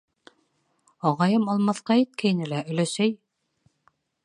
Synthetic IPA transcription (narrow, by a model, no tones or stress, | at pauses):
ɑʁɑjɤmɑlˠmɑθqɑit̪̚kæjnɘlæɵ̆læʃæj